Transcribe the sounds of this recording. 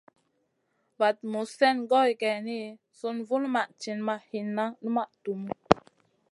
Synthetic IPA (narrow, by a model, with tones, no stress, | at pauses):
va˨t̚mu˨sɛ˦˨nɡɔ˦i˨kɛ˨ni˦ | su˦nvu˦n˦ma˨ʔt͡ʃi˨nma˨ʔhi˨nːa˦nə˦ma˦˨ʔtu˨m˦